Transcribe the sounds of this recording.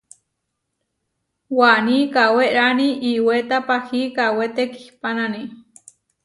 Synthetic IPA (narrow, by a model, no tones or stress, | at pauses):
wanikaweɾaniʔiwet̪apahikawet̪eki̥hpanani